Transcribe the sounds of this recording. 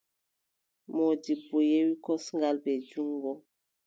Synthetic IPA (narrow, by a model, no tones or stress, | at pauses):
mɔdibːojewikɔsŋɡalbɛd͡ʒuŋɡɔ